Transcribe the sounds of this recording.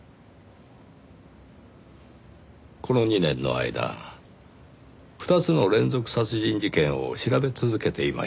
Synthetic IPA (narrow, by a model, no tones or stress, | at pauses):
ko̞no̞ɲ̟inẽ̞nːo̞̰a̰id̪a̰ | ɸɯ̥t̪at͡sɨno̞ɾẽ̞nd͡zo̞kɯ̟̥sat͡sɨʑĩɲd͡ʑikẽ̞ɰ̃o̞̰ɕiɾabe̞t͡sɨzɨke̞t̪e̞ima̰